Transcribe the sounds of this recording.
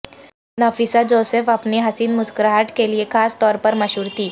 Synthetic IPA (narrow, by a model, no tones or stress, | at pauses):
nafisad͡ʒoːsefɐpneɦɐsiːnmʊskɾaəʈkeliekaːst̪ɔːɾpɐɾmɐʃuːɾt̪ʰiː